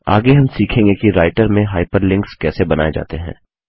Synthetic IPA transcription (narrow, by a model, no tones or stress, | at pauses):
aːɡeɦɐmsiːkʰẽːŋɡekiɾaːɪʈəɾmẽɦaːɪpəɾlɪ̃ŋkskɛːsebɐnaːed͡ʒa̰ːt̪eɦɛ̰̃ː